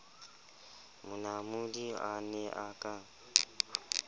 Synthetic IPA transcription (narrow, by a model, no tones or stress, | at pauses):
mʊnamudia̰nɛʔakʼa